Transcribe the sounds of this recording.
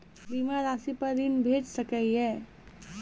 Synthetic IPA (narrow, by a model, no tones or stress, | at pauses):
biːmaɾaːsipɐɾd̪ɪnbʱeːd͡ʒsəkəiɦɛː